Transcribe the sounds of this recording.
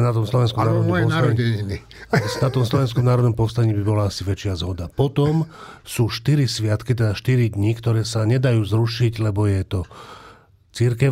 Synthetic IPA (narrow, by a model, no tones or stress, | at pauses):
nat̪ɔmslɔʋɛnskɔmnaːɾɔd̪ɔmpɔnsaɛɲini | nat̪ɔmslɔʋɛnskɔmnaːɾɔd̪nɔmpɔʊst̪aɲiːbibɔlaasiʋɛt͡ʃɪazɦɔd̪apɔt̪ɔm | suːʃt̪iɾisʋɪat̪kit̪ɛd̪aʃt̪iɾid̪ɲiːkt̪ɔɾɛːsaɲɛd̪ajuːzɾuʃiɟlɛbɔjɛt̪ɔ | t͡siɾkɛ